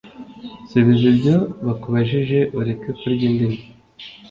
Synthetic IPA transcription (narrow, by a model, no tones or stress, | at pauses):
seβizebɟoβakoβaʒiʒeʔuɾekekuɾɟiːndeni